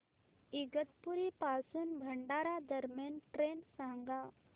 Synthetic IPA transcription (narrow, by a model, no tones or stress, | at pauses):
iɡət̪̚puɾipasuːnbʱəɳɖaɾad̪əɾmjanʈɾensãŋɡa